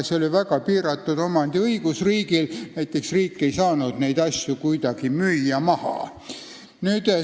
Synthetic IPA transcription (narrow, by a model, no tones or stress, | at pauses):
seo̞lʲivæɡɑpiːɾɑt̪ːˑud̪o̞mɑnd̪̥iɤiɡ̥usriːɡilnæjt̪ːˑe̞ksriːkːe̞ijsɑːnud̪̥nejd̪ɑsʲjukujd̪̥ɑɡ̥imyjːɑmɑhɑ̰ | nyːd̪